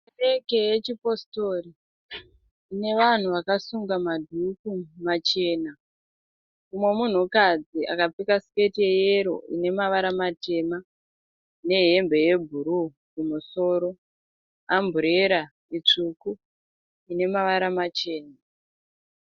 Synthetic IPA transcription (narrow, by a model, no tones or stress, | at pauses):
ereke̞jet͡ʃipo̞sto̞ri | ine̞ʋan̤uʋakasuŋɡamadʱukumat͡ʃe̞ːna | umwe̞mun̤ukad͡ziʔa̰kap͡fikasketiejeɾo̞̰ine̞maʋaɾamate̞ːma | ne̞ɦe̞mbʱe̞je̞bʱuɾu | kumuso̞ːɾo̞ | ambʱuɾe̞ɾa | it͡ʂuku | ine̞maʋaɾamat͡ʃe̞ːna